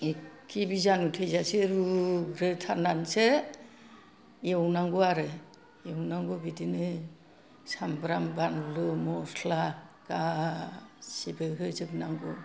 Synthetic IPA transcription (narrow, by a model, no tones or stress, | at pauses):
ekibizanutʰejzaseɾuɡɾetʰananse | jewnaŋɡɔaɾɯ | ewnaŋɡɔbitinɯ | sambɾambanlɯmɔslaka | sibeɦɯzɯbnaŋɡɔ